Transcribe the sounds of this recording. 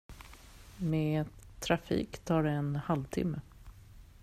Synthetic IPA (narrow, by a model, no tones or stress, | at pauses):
meːt̪ʰːɾafḭːkt̪ʰɑːɖɛɛnhalvt̪ʰɪ̰mːə